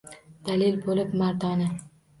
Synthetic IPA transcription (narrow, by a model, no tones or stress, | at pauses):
d̪̥alɪlbolɪpmaɾd̪ɒnɪ